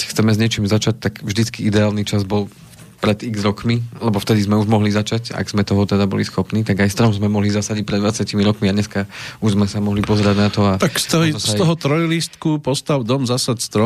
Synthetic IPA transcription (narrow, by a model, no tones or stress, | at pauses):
kcxt͡sɛmɛzɲɪɛt͡ʃiːmzat͡ʃac̚t̪aɡvʒd̪it͡skiid̪ɛaːlnit͡ʃazbɔlˠ | pɾɛd̪iɡzɾɔkmilɛbɔft̪ɛd̪izmɛuʒmɔɦlizat͡ʃaca̰ɡz̥mɛt̪ɔɦɔt̪ɛd̪abɔlisxɔpniːt̪aɡajst̪ɾɔmzmɛmɔɦlizasaɟic̚pɾɛd̪d̪ʋat͡sɪacimiɾɔkmiaɲɛskauʒzmɛsamɔɦlipɔzɛɾaɟnat̪ɔat̪akst̪ɔsɔɦɔt̪ɾɔjlist̪kupɔst̪aʊd̪ɔmzasatst̪ɾɔ